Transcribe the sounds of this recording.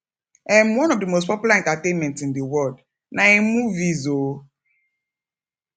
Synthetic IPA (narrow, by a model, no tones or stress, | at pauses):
ɛ̃mwɔ̃nɔvdimostpɔpjulãntatẽnmɛ̃ntsĩndiwɜld | naemuvizo